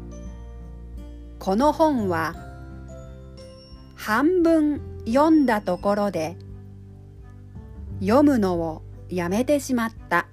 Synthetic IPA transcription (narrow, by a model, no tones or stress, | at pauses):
kʰo̞no̞hõ̞ɴ̃βa | hãmbɯ̟̃ɴjõ̞nd̪at̪o̞ko̞ɾo̞d̪e̞ | jomɯ̟no̞o | jame̞t̪e̞ɕimat̪ːa